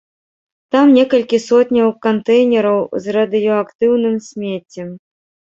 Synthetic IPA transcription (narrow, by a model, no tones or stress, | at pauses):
t̪amnʲɛkɐlʲkʲisɔt̪ʲnʲɐwkant̪ɛjnʲɛɾɐwzrɐd̪ɨjɔakt̪ɨwnɨmsʲmʲet͡sʲːɛm